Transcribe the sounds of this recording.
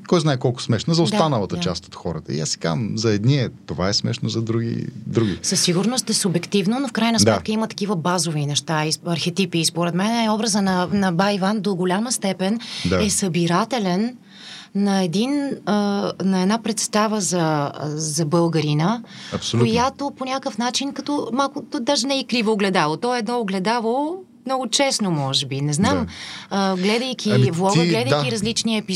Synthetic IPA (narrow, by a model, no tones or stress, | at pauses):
kɔjznaɛkɔlˠkʊ̥smɛʃnəzɐost̪anəlˠət̪ət͡ʃast̪o̥t̪xɔɾət̪ə̰ḭasɛ̥ka̰mzɐɛd̪niɛt̪ovaɛsmɛ̰ʃnozɐd̪ɾuɡḭd̪ɾuɡʲḭsəsːiɡʊɾnost̪ɛsʊbɛkt̪ivnonofkɾajnəsmd̪ɛt̪kəimət̪ɐ̥kivəbazovinɛʃt̪aiɐɾxɛt̪ipiːspoɾɛt̪mɛnɛɔbɾəzənɐnɐbajvand̪oɡolʲaməst̪ɛpɛnd̪aɛsəbiɾat̪ɛlɛnː | ɐɛd̪inənɐɛd̪napɾɛt̪st̪avəzɐzɐbɤlˠɡəɾinəɐpsojat̪oponʲakəfnat͡ʃinkɐt̪ɔmalˠkʊt̪ɔd̪aʒɛnɛikɾivoːɡlɛd̪avˠot̪ɔɛd̪nɔːɡlɛd̪avˠo | mnɔɡot͡ʃɛsnomɔʒɛbinɛznaməɡlɛd̪əjkʲʰivlˠɔɡəɡlɛd̪əjʲiɾɐzlit͡ʃniəɛpi